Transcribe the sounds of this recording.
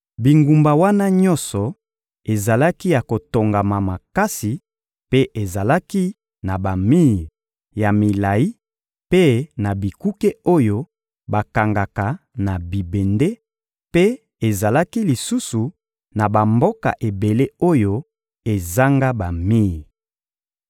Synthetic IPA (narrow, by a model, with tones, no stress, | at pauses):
bi˨ŋɡu˨mba˨wa˦na˦ɲɔ˦nsɔ˨ | e˨za˨la˦ki˦ja˨ko˨to˨ŋɡa˨ma˨ma˨ka˦si˨ | pe˦ʔe˨za˨la˦ki˦ | na˨ba˨mi˦˨ | ja˨mi˨la˨i˦ | pe˦na˨bi˨ku˦ke˦o˦jo˦ | ba˨ka˨ŋɡa˨ka˨na˨bi˨be˨nde˦ | pe˦ | e˨za˨la˦ki˦li˨su˦su˨ | na˨ba˨mbo˦ka̰˨ʔe˨be˨le˦o˦jo˦ | e˨za˦ŋɡa˦ba˨mi˦˨